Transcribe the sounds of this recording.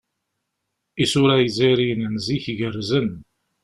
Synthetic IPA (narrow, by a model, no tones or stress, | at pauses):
isʊɾæjəziɾinnziçʝərːzən